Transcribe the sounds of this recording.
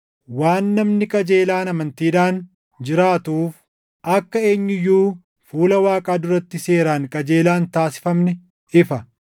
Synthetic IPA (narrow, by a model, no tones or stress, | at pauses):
waːnːɐmnɪkʼɐd͡ʒeːlaːnɐmɐnt̪iːᶑaːn | d͡ʒɪɾaːt̪uːf | ɐkːɐe̞ːɲːʊjːuː | fuːlɐwaːkʼaːd̪ʊɾɐt̪ːɪse̞ːɾaːŋkʼɐd͡ʒe̞ːlaːnt̪aːsɪ̥fɐmnɛ | ɪfɐ